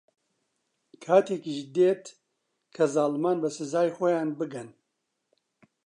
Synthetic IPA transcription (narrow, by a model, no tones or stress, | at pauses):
kʰaːt̪ʰekiʒd̪eːt̪ | kʰɐzaːlmaːnbɐsɨzaːjxojaːnbɨɡɐn